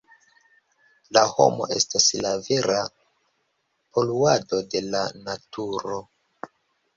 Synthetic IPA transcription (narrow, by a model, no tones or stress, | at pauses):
laho̞̰mo̞̰ʔe̞̰staslave̞ɾa | po̞luado̞de̞lanatuɾo̞